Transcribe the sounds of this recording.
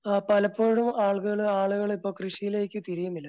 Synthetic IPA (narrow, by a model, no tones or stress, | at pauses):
pɐlɐpːo̞ːɻumaːɭkuɣɐɭaːɭuɣɐɭipːo̞ːkrɨʂijile̞ːkʲːɨt̪iɾijunːilːɐ